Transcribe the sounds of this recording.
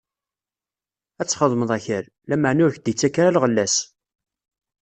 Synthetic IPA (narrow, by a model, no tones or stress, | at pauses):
æt͡sːχəðˤməðˤæçəɾ | læməʕnʊɾçd̪it͡sːækaɾalʁəlːæs